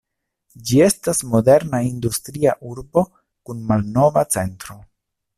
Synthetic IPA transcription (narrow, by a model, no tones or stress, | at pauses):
d͡ʒie̞stasmo̞de̞ɾnaindustɾiaʔuɾbo̞ | kunmalno̞vat͡se̞ntɾo̞